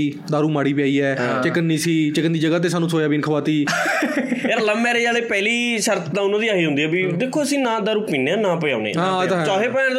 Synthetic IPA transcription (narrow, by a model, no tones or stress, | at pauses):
i | d̪aːɾuːmaːɽiːpɪjaːiːɛːt͡ʃɪkənːiːsiːt͡ʃɪkənd̪iːd͡ʒəɡaːt̪̬eːsaːnũːsoːjaːbiːnkʰəʋaːt̪iː | eːɾləmɛːɾeːd͡ʒaːleːpɛːliː | ʃəɾt̪d̪ãːʊnãːd̪iːaːɦiːɦʊ̃nd̪iːɛːbiːd̪eːkʰːoːəsĩːnaːd̪aːɾuːkpĩːnːeːaːnaːpəjã̰ːnḛːɦãːt̪t͡ʃɔːɦeːpəãːn